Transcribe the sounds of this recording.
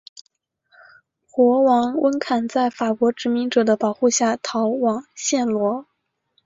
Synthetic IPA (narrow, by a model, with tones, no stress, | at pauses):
xwɔ˧˥wɑ˧˥ŋwə˥nkʰa˨˩nt͡sa˥˩ɪfa˨˩kwɔ˧˥ʈ͡ʂɻ̩˧˥mi˧˥ŋʈ͡ʂɤ˨˩d̪ə˦pɑ˨˩ʊxu˥˧ɕja˥˩t̪ʰɑ˧˥ʊwɑ˨˩ŋɕjɛ˥˩nlwɔ˧˥